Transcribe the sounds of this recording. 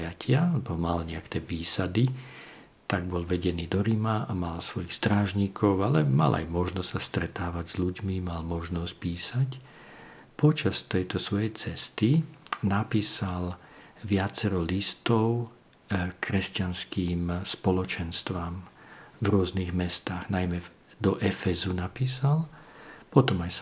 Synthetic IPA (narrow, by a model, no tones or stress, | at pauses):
jacʰɪalɛbɔmalɲɛakɛːʋiːsad̪i | t̪aɡbɔlʋɛɟɛniːd̪ɔɾimaamalsʋɔjixst̪ɾaːʒɲiːkʰɔʊalɛma̰lʔa̰jmɔʒnɔst̪sast̪ɾɛt̪aːʋaɟzʎuɟmimalmɔʒnɔsc̚piːsac | pɔt͡ʃast̪ɛjt̪ɔsʋɔjɛjt͡sɛst̪inapiːsal | ʋɪat͡sɛɾɔlist̪ɔʊ | kɾɛscanskiːmspɔlɔt͡ʃɛnst̪ʋamvɾʊɔzniɣmɛst̪aːɣnajmɛ | d̪ɔʔɛfɛzunapiːsalpɔt̪ɔmajs